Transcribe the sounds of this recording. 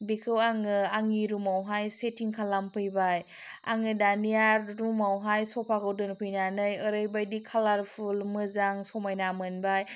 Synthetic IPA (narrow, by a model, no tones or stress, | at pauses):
bikʰɯwaŋɯaŋiɾumawɦajsetʰiŋkʰalampʰɯjbaj | a̰ŋɯdanijaɾɾumawɦajsɔpʰakʰɯwdɯnpʰɯjnanɯjɯɾɯjbajdikʰalaɾpʰulmɯzaŋsɔmajnamɯnbaj